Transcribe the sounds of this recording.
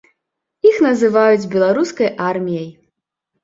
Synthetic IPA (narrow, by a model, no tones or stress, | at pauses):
ixnɐzɨvajud͡zʲbʲɛlˠaɾuskɐjʔarmʲijɐj